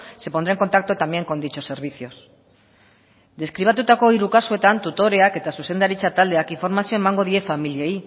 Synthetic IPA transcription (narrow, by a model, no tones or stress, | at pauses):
se̞pond̪ɾeŋko̞nt̪ak̚t̪ot̪amje̞ŋko̞nd̪it͡ʃo̞se̞ɾβ̞iθio̞s | d̪e̞skɾiβ̞at̪ut̪ako̞iɾukasue̞t̪ant̪ut̪o̞ɾe̞ake̞t̪asuse̞nd̪aɾit͡sat̪ald̪eakiɱfo̞ɾmasio̞e̞maŋɡo̞ð̞ie̞familiei